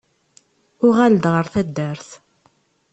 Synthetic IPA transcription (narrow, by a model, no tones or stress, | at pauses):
ʊʁæld̪ʁəɾθæd̪ːəɾθ